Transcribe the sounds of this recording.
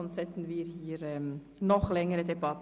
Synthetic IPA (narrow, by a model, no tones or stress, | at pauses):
ɔnsɛtn̩viːɾhiːɾɛm | nɔχlɛŋəɾədebɑt